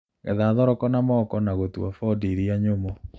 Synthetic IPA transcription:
ɣɛðaðɔɾɔkɔnamɔkɔnaɣotwa̰fɔdiɾiaɲomɔ

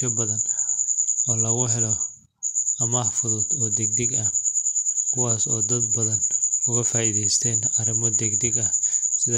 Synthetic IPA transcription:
ɐbɐðɐn | ɔːlɐɣʊɦɛlɔ | ɐmahfʊðʊd̪ɔːd̪ɛɡ̚d̪ɛɡɐh | kʰʊwaːsɔːd̪ɐd̪bɐðɐnʊɣɐfaːʔiðɛjst̪ʰɛːnɐɾɪmɔd̪ɛɡd̪ɛɡɐhsɪð

